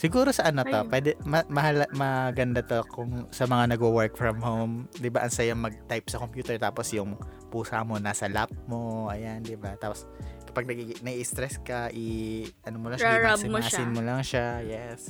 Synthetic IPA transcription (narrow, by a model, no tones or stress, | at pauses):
sɪɡuːɾosɐʔɐnot̪opwɛːd̪ɛmɐmɐhalmɐɡɐnd̪ɐt̪okʊŋsɐmɐŋanɐɡowɛɹkfɹɐmhowmd̪ɪbaʔɐnsɐjɐŋmɐɡ̚t̪ajp̚sɐkompjuːt̪ɛɹt̪aːposjʊŋ | puːsa̰mo̞naːsɐlap̚moʔɐjand̪ɪbat̪aːposkɐ̥paɡ̚nɐɡinɐɡist̪ɾɛskɐʔiʔɐnomolɐŋasɪasɪnmolɐŋʃajɛs